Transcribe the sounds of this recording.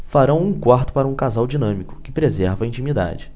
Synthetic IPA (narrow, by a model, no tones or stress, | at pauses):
faɾɐ̃w̃ũkwaɾt̪ʊ̥paɾɐũkazawd͡ʒinɐ̃mikʊ̥kɪpɾezɛɾvɐĩnt͡ʃĩmid̪a̰d͡ʒɪ